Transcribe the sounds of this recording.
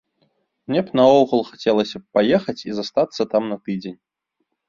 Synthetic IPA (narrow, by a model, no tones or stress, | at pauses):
mnʲɛpnɐɔwɣulˠxat͡sʲɛlˠɐsʲɐpajɛxɐt͡sʲizast̪at̪sːɐt̪amnɐt̪ɨd͡zʲenʲ